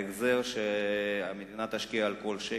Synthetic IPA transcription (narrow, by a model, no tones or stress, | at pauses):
eɡzeʁʃeamed̪inat̪haʃkiaːlkolʃe